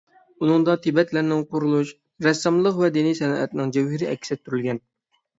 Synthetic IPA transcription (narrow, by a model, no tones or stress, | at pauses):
unɨŋd̪ɑt̪ʰɪbɛt̪læɾnɪŋqʰʊɾulˠuʃ | ɾɛsːɑmlˠəqvɛd̪inijsɛnɑʔɛt̪nɪŋd͡ʒɛwhɪɾɪɛ̰kʲʰːi̥sɛt̪ʰːyɾylɡʲɛn